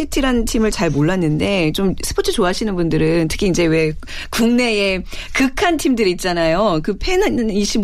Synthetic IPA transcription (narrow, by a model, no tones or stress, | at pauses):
itʰiɾantʰimɯɭt͡ɕaɭmoɭːanːɯnde̞t͡ɕomsʰɯ̥pʰot͡ɕʰɯt͡ɕoaɕʰinɯnbundɯɾɯntʰɯ̥kʰiːnd͡ʑe̞we̞kuŋne̞ekɯkʰantʰimdɯɾiːt̚t͡ɕ͈anajokɯpʰeniɕʰim